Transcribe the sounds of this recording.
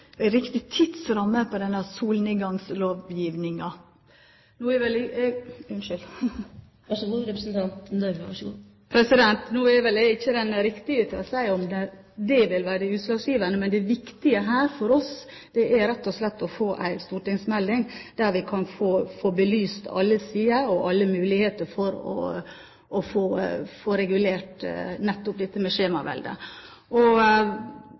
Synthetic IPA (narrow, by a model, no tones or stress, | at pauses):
æɪɾɪkt̪ɪt̪ʰɪd̪sɾɑmːəpʰɔd̪ɛnːəsuːlnəɡɑŋsloːʋjiːʋnɪŋɑ | nuːɛʋɛl | ʉnʃʏl | ɑʂʋʊɾɛpɾəsnt̪ʰɑnt̪d̪œɾʋʋɑʂɡṵː | pʰɾɛsɪd̪ɛnt̪nuːɛʋɛlɛɪçːəd̪ɛnɾɪkt̪ɪɡət̪ʰɪlɔsæɪɔmd̪ɛ | d̪ɛʋɪlʋæːɾəd̪ɛʉːt̪lɑːɡsjiːʋənəmɛnd̪ɛʋɪkt̪ɪəɦæːɾfɔɾɔs | d̪̥ɛʔæɾɛt̪ːɔslɛt̪ːɔfoːʔæ̰ɪst̪uːʈɪŋsmɛld̪ɪŋd̪̥æɾʋɪkʰɑnfoːfoːbəlyːst̪ɑ̰lːəsiːəɔʔɑlːəmʉːlɪheːt̪əɾfɔɾɔ̰ | ʔɔfoːfoːɾɛɡʉleːʈnɛt̪ːʊp̚d̪ɛt̪ːəmɛʃeːmɑʋɛ̰ld̪ə̰ | ʔɔ